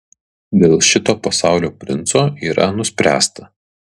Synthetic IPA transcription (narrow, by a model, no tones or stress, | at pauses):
d̪ʲeːlˠʃʲɪt̪oːpɐsɑˑʊlʲoːpʲɾʲɪnt̪soːiːɾɐnʊsʲpʲɾʲæ̰ːst̪ɐ